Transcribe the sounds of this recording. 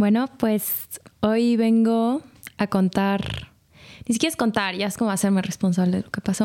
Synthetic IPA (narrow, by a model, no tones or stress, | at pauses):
bwe̞no̞pwe̞so̞jβe̞ŋɡo̞ | ako̞nt̪aɾ | nis̬ikjeɾesko̞nt̪aɾʝaesko̞moase̞ɾme̞respo̞ns̬aβle̞ðelo̞ke̞paso